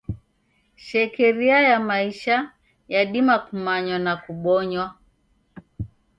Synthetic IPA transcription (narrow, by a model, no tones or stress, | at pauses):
ʃɛkɛɾiajamaiʃa | jaɗimakumaɲwanakuɓɔɲwa